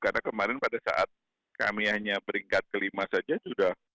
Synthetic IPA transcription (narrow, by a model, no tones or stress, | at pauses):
karnakəmaɾɪnpadasa̰ʔa̰t̪̚ | ka̰miahɲabəɾiŋkat̪̚kəlimasad͡ʒasudah